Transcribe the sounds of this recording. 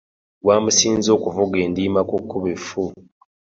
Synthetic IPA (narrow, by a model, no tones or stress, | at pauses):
waːmusiːnzo̞ːkuvuɡeːndiːmakukːuβefu